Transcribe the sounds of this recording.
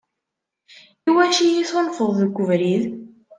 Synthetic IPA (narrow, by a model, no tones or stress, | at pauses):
iwæʃijiθonfəðˤðəɡʷːəvɾið